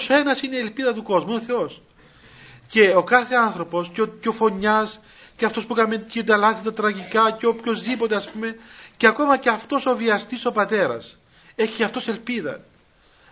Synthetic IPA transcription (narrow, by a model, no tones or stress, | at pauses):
soe̞nɐsineielpiðɐt̪uko̞zmuoθe̞o̞s | ce̞okɐθe̞ɐnθɾo̞po̞sccofo̞ɲːɐs | ceɐft̪o̞spukɐmecid̪ɐlɐθit̪ɐt̪ɾɐʝikɐceopço̞zðipo̞t̪e̞ɐspume̞ceɐkomɐceɐft̪o̞so̞viɐst̪iso̞pɐt̪e̞ɾɐ̰s | e̞çiɐft̪o̞se̞lpiðɐ̰